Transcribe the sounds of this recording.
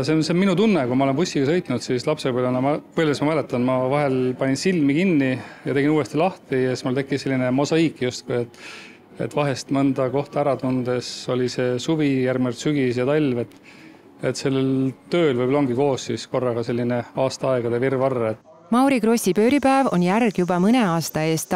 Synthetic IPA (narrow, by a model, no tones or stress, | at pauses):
senseminut̪unːekujmɑole̞pusʲːiɡ̥ɑsɤ̞jt̪ˑnud̪sislɑpsepolonɑmpɤjlʲesmɑmælet̪ːˑɑnmɑvɑɦe̞lpɑnʲinsilmikinːijɑt̪e̞ɡinuːest̪ilɑht̪ijɑsi̥smult̪e̞kːise̞lʲːinemosɑikːˑjust̪̚kuet̪ːˑ | e̞̰t̪ːvɑɦe̞st̪mɤnd̪̥ɑko̞ht̪ɑæɾɑt̪und̪̥e̞so̞lise̞suvijærɡmiolt̪syɡ̥is̬jɑt̪ɑlʲve̞t̪ː | et̪se̞lːelt̪ø̞ːlvɤjboloŋɡiko̞ːssisko̞rːɑɡ̥ɑse̞lʲːine̞ɑːst̪ɑɑeɡ̥ɑd̪evirvɑrːet̪ː | mɑwɾiɡ̥ro̞sʲipø̞ːɾipæevo̞̰njærɡ̥jubɑmɯneɑːst̪ɑe̞ːst̪